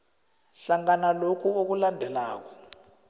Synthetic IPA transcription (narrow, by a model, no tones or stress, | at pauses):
ɬaŋanalokʰuok̬ulandʱɛlaːk̬ɔ̥